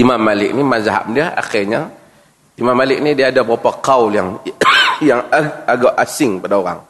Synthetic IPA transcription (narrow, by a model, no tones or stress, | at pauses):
imamːalɪk̚nimazaɦa̰ʔ̚mdiaa̰xɪrɲa | imamːalɪk̚nidiaːdabəɾapakawljaŋ | jaŋaaɡaʔasɪŋpadaoɾa̰ŋ